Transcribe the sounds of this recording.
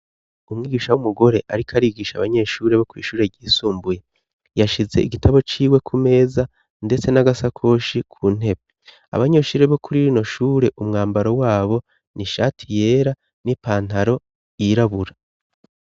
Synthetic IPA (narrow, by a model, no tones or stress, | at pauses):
umŋiːɡiːʃawumuɡo̞ɾe̞ʔaɾikʰaɾiːɡiːʃaβaɲe̞ːʃuːɾe̞βo̞kwiːʃuːɾe̞ɟiːsuːmbuje̞ | jaʃize̞̰ʔiɡitaβo̞t͡ʃiːwe̞kʰume̞ːza | nde̞t͡se̞naɡasakʰo̞ːʃikʰuːn̥e̞βe | a̰βaɲe̞ʃuːɾe̞βo̞kuɾiɾino̞ʃuːɾe̞ʔumŋaːmbaɾo̞waːβo̞ | niʃaːtʰije̞ːɾa | nipaːn̥aɾo̞ | iɾaβuɾa